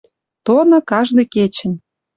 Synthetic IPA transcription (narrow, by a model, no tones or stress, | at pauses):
t̪onŏkɑʒd̪ĕket͡ɕə̆n